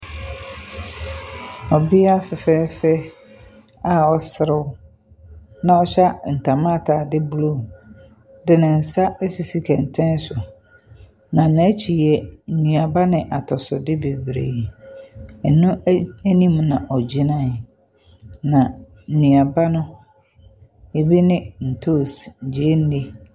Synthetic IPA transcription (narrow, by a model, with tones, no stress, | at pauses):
ɔ˨bɪ˦a˦fɪ˨fɛ˦fɛ˦ | a˦ɔ˦sɪ˦ɾɪ˦wʊ˦ | nã˨ɔ˦ɕa˦n̩˨tʰa˨mã˦˨tʰaː˨dɪ˦blu˦˨ | dɪ˨nɪ̃˨n̩˨sa˦ʔæ˦si˨si˦kʰɛ˨n̩˨tʰɛ̃˦n˦sʊ˨ | nã˨nã˨˦t͡ɕʰi˨jɛ˨n̩˨nũ˨a˨ba˦nɪ̃˨ʔa˨tʰɔ˨sʊ˨dɪ˦be˨bɾḛ˨ | ɛ˨nũ˦æ˦nĩ˦m˦nã˨ʔɔ˨d͡ʑi˦nã˦˨ | nã˨ | n̩˨nũ˨a˨ba˦nʊ̃˦ | e˨bi˦nɪ̃˦n̩˨tʰo˦˨sɲ̩˨d͡ʑi˨˦e˦n̩˦de˦